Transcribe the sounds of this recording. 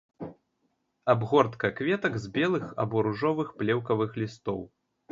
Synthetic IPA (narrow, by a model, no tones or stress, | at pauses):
abɣɔrt̪kɐkvʲɛt̪ɐkzbʲɛlˠɨxɐ̰bɔɾuʐɔvɨxplʲɛwkɐvɨxlʲist̪ɔw